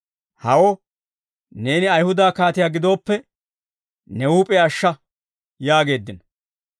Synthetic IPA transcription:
hɐwo | ne̞ːnɪɐjhʊd̪aːkaːt̪ɪjaːɡɪd̪o̞ːpːɛ | nɛuːpʼeɐʃːɐ | jaːɡe̞ːd̪ːɪnɐ

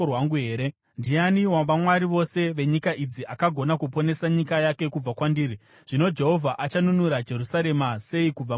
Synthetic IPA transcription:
waŋɡuɦe̞ːɾe | ndianiwaʋamwaɾiʋo̞se̞ʋe̞ɲikaʔid͡ziʔakaɡʱo̞nakupo̞ne̞saɲikajake̞kub͡vakwandiːɾi | ʐ̥ino̞d͡ʒe̞ɦo̞vʱaʔat͡ʃanunuɾad͡ʒe̞ɾusaɾe̞mase̞ikub͡va

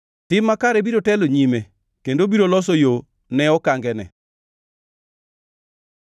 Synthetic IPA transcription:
tɪmːakaɾɛbiɾotɛloɲime | kendobiɾolɔs̬ojo | nɛɔkaŋɡɛnɛ̰

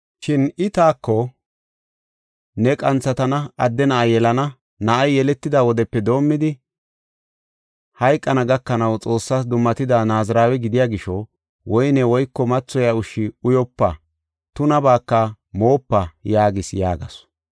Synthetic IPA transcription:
ʃɪnɪt̪aːkːɔ | nɛkʼɐnt͡sːɐt̪ɐnɐɐd̪ːɛnɐʔɐjjɛlɐnɐ | nɐʔɐjjɛlɛt̪ːɪd̪aːwɔd̪ɛpːɛd̪o̞ːmːɪd̪ɪ | hɐjkʼːɐnɐɡɐkːɐnɐwt͡sʼo̞ːsːaːsd̪ʊmːɐt̪ɪd̪aːnaːzɾaːwɛɡɪd̪ɪjaːɡɪʃɔ | wɔjnɛwɔjkːɔmɐt͡sːɔjaʊʃːɪʊjɔpːɐ | t̪ʊnɐbaːkːɐ | mo̞ːpːɐjaːɡɪsja̰ːɡɐs

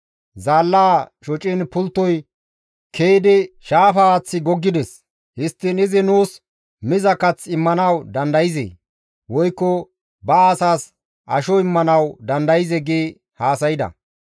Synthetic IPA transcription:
zaːlːaːʃɔt͡ʃʼɪnpʊlt̪ːɔj | kʰeːd̪ɪʃaːfat͡sːɪɡɔɡːɪd̪ɛs | hɪst̪ːɪnɪzɪnuːs | mɪzɐkɐt͡sɪmːɐnɐwd̪ɐnd̪ɐjɪzḛː | wɔjkːɔ | bɐːsaːs | ʔɐʃɔɪmːɐnɐwd̪ɐnd̪ɐjɪzɛɡeː | haːsɐjɪd̪ɐ̰

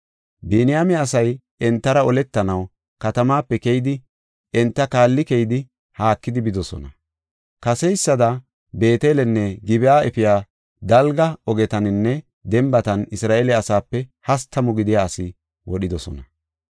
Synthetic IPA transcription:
bɛːnɪjamɛɐsɐj | ɛnt̪ːɐɾɐɔlɛt̪ːɐnɐw | kɐt̪ɐmaːpːɛkɛjɪd̪ɪ | ɛnt̪ːɐkaːlːɪkɛjd̪ɪ | haːkːɪd̪ɪbɪd̪ɔsɔ̰nɐ | kɐsɛjsːɐd̪ɐ | be̞ːt̪eːlɛnːɛɡɪbɛjaːʔɛfɪjaː | d̪ɐlɡɐɔɡɛt̪ɐnɪnːɛ | d̪ɛmbɐt̪ɐnɪsɾaːʔelɛɐsaːpːɛhɐst̪ːɐmɔɡɪd̪ɪjaːsɪ | wʔɔɗɪd̪ɔsɔ̰nɐ

